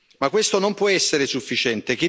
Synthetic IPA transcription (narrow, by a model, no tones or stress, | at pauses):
makːwest̪onompwɔɛsːeɾesufːit͡ʃɛnt̪ek̟e